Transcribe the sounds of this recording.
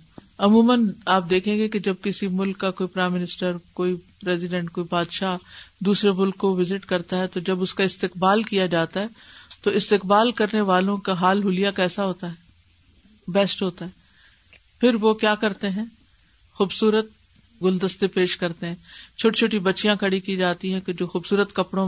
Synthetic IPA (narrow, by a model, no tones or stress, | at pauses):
ɐmuːmənaːp̚d̪eːkʰẽːɡeked͡ʒɐb̚kɪsimʊlkːakoːipɾaːɪmːɪnɪsʈəɾkoːipɾɛːzɪɖɛ̃ɳʈ̚koːibaːd̪ʃad̪uːsɾemʊlkːoʋɪzɪʈkɐɾt̪aɦɛt̪od͡ʒɐbʊskaɪst̪ɪqbaːlkijad͡ʒaːt̪aɦɛːt̪oɪst̪ɪqbaːlkɐɾneʋaːlõkaɦaːlɦʊlijakɛːsaɦoːt̪aɦɛː | bɛːsʈɦoːt̪aɦɛː | pʰɪɾʋokjaːkɐɾt̪eɦɛ̃ː | xuːbsuːɾət̪̚ | ɡʊld̪əst̪epeːʃkɐɾt̪eɦɛ̃t͡ʃʰoːʈit͡ʃʰoːʈibɐtːʃijãkɐɽikid͡ʒaːt̪iɦɛ̃ked͡ʒoːxuːbsuːɾət̪kɐpɽ̃õ